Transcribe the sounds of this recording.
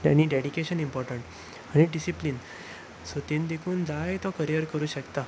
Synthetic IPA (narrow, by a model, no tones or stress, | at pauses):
t̪jãniːɖeɽikeɕənimpɔɾʈəɳʈ | aɽ̃iɖisiplin | sot̪ind̪ekʰuːnd͡zajt̪ɔkəɾijəɾkəɾuːɕəkt̪a